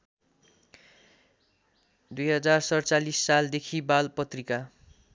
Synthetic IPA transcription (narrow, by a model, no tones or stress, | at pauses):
d̪ujɦʌd͡zarsʌrt͡salisːald̪ekʰibalpʌt̪rika